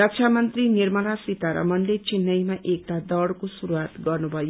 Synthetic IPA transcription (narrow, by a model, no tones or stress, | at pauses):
ʌkt͡ʃʰamʌnt̪rinirmʌlasit̪aɾʌ̰mʌnlet͡sinːʌjmaʔek̚t̪ad̪ʌɽkosuɾuwat̪ɡʌrnubʱʌjo